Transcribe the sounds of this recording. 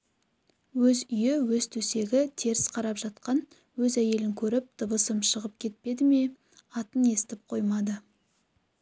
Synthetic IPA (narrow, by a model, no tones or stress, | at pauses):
wɵzʏjewɵz̥t̪ʰɵse̞ɡʲɪt̪ʰeɾɪsqʰɑɾɑpʒ̥ɑt̪̚qɑn | wɵzæje̞lɪŋkʲʰɵɾɪp̚d̪̥əbəsəmʃəʁəpkʲʰe̞t̪̚pe̞d̪ɪme̞ | ɑt̪əne̞sɪ̥t̪ɪp̚qʰo̞jmɑd̪ə